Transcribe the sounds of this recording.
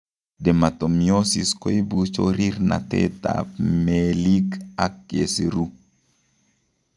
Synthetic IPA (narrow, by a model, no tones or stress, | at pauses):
dɛmatomjosiskoibut͡ʃoɾiɾna̰tɛ̰ta̰pmelikakːeseɾu